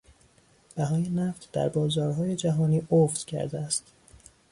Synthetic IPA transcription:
b̥æɦɒːje̞næft̪d̪̥æ̰ɾbɒːzɒːɾɦɒːje̞d͡ʒæɦɒːniːʔoft̪cʰæ̰ɾd̪eæst̪

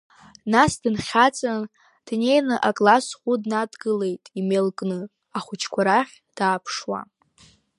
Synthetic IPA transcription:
nasdɨnχʲat͡sʼan | d̥ne̞jnɨʔakʼlasχʷudnadɡɨle̞jtʼimelkʼnɨ | aχʷʊt͡ʃʰkʷʰaɾaχʲ | d̥aːpʰʂwa̰

